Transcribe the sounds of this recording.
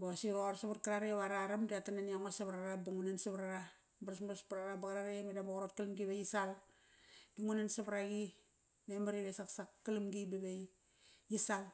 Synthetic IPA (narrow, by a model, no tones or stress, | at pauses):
bosiɣooɾsaβarkaɾaɾiβaɾaɾamdiatananiaŋosaβɾaɾabuŋunensaβaɾaɾa | baɾasmaspaɾaɾabaɡaɾaɾemedambaɣoɾot̚kalamɡiβejisal | d̥uŋunansaβaɾaɡi | memaɾiβesaksakːalumɡibeβej | jisal